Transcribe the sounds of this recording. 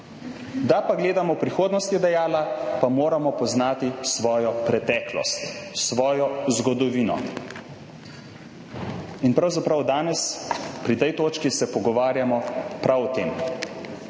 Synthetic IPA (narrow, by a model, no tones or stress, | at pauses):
d̪apaɡleːd̪amɔpɾixoːd̪nɔst̪jɛd̪ɛjaːlapamoːɾamɔpɔznaːt̪isʋɔːjɔpɾɛt̪ɛːklɔ̰st̪sʋɔːjɔzɡɔd̪ɔʋiːnɔ̰ | inpɾawzapɾawd̪aːnɛspɾit̪ɛjt̪oːt͡ʃkisɛpɔɡɔʋaːɾjamɔpɾawt̪eːm